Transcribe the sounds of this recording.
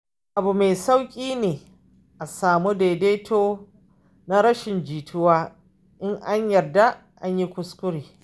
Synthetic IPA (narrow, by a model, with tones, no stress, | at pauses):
ʔa˨bu˨me˨sa˦wkʲʼiː˦neː˨ | ʔa˨saː˨mu˦deː˨deː˦tʰoː˦ | na˦ɾɐ˦ʃɪ˨nd͡ʒiː˨tʰʊ˦waː˦ | ʔɪ˦ŋʔa˦ɲjɐ˨rda˦ | ʔa̰˦ɲji˦kʷʊ˦skʷʊ˦ɾiː˨